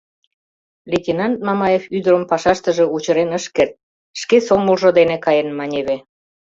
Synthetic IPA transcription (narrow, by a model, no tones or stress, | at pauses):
lʲet̪ʲinɑnt̪̚mɑmɑjefyd̪əɾəmpɑʃɑʃt̪ə̆ʒĕut͡ɕə̆ɾenəʃkert̪̚ | ʃkesoməlʒŏd̪enekɑjenmɑnʲeβe